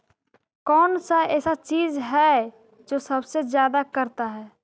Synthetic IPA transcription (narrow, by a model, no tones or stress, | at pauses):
kɔːnsaɛːsat͡ʃiːzɦɛ | d͡ʒoːsɐbsezjaːd̪akɐɾt̪aɦɛː